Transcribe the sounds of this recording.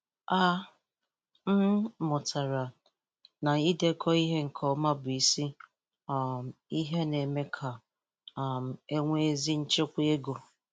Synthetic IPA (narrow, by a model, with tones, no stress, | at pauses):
a˦ | m̩˦mʊ˨tʰa˨ɾa˨ | na˨i˦de˦kʰɔ˦i˦ɦe˦ŋ̩˨kʰɔ˦ma˦bʊ˨i˦si˦˨ | m˨i˦ɦe˦ne˨me˦kʰa˨ | m̩˨e˦ŋʷe˦e˦zi˦n̩˦t͡ʃe˦kʷe˦e˦ɡo˨